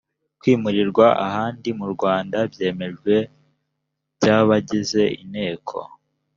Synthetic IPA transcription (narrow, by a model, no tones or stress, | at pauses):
kwiːmuɾiɾɡwaʔa̰ɦaːndimuɾɡwaːndabje̞ːme̞ʒɡwe̞ | b̥ɟaːβaɟize̞inhe̞ːkʰo̞̰